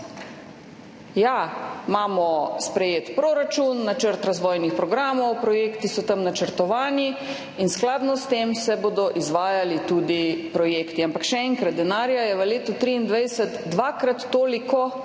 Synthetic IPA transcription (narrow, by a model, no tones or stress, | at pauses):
jamaːmɔspɾɛjeːt̪pɾoːɾat͡ʃunːat͡ʃəɾt̪ɾazʋɔːjnixpɾɔɡɾaːmɔwpɾɔjeːkt̪isɔt̪amnat͡ʃəɾt̪ɔʋaːni | insklaːd̪nɔst̪emsɛboːd̪ɔʔizʋaːjalit̪uːd̪ipɾɔjeːkt̪iampakʃɛɛŋkɾat̪̚d̪ɛnaːɾjajɛʋəleːt̪ut̪ɾiːnd̪ʋajsət̪ːʋakɾat̪ːoːlikɔ